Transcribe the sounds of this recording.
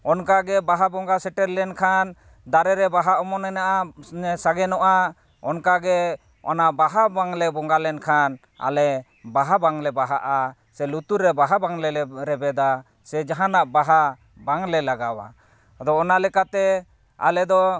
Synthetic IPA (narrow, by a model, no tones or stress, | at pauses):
ɔnkaɡɛbaɦabɔŋɡasɛʈɛɾlɛnkʰan | d̪aɾɛɾɛbaɦaʔɔmɔnɛnaʔasaɡɛnɔʔa | ɔnkaɡɛ | ɔ̰naʔbaɦabaŋlɛbɔŋɡalɛnkʰan | a̰lɛ | baɦabaŋlɛbaɦaʔa | sɛlut̪uɾɛbaɦabaŋlɛɛɾɛbɛd̪a | sɛd͡ʒaɦanaʔbaɦa | baŋlɛlaɡawa̰ | d̪ɔːnalɛkat̪ɛ | a̰lɛd̪ɔ